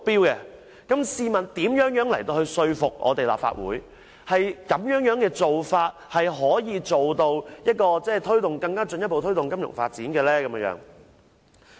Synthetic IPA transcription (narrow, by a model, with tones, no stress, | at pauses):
mʊ˨k̚piː˥wkɛ˧ | kɐ˨˥msiː˧mɐ˨nt̪iː˨˥mjœː˨˥ŋjœː˨˥ŋlɐ˨˩jt̪o˧whɵ˧ɥsɵ˧ɥfʊ˨k̚ʔɔ̰ː˨˧t̪e˨jla̰ː˨p̚fa̰ː˧t̚wṵː˨˥j | hɐ˨jkɐ˨˥mjœː˨˥ŋjœː˨˥ŋkɛː˧t͡so˨wfaː˧t̚hɐ˨jɦɔː˨˥jiː˨˧t͡so˨wt̪o˧wjɐ˥t̚kɔː˧t͡sɛː˥˩jt̪ʰɵ˥ɥt̪ʊ˨ŋkɐ˧ŋkaː˥t͡sɵ˧njɐ˥t̚po˨wt̪ʰɥt̪ʊ˨ŋkɐ˥mjʊ̰˨˩ŋfa̰ː˧t̚t͡siː˨˥nkɛː˧lɛː˥kɐ˨˥mjɐ˧˥jœ̰ː˨˥ŋ